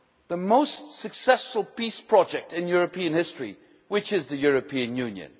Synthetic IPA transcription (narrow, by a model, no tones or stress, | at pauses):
ðəmoʊstsɨksɛsfəlˠpispʰɹ̥ɑd͡ʒɛk̚tɨ̃njʊɹɨpʰĩɨ̃nhɪstɹ̥i | wɨt͡ʃɪzðɨjʊɹɨpʰĩɨ̃njʉ̃njɨ̰̃n